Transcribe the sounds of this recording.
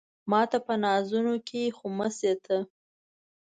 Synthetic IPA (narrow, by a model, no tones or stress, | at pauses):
mɑt̪apənɑzunokʰexoməset̪ʰə